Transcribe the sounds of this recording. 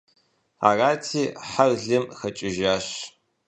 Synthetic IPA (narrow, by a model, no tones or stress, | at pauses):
a̰ːraːtʰiːħarɮɨmxɐt͡ʃʼɪʒaːɕ